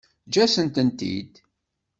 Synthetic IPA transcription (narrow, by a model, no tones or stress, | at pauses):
d͡ʒæsənt̪ənt̪ḭd̪